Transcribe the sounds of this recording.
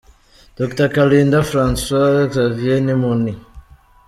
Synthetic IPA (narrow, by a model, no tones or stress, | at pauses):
d̥oktakaliːndafɾanswazavjenimuni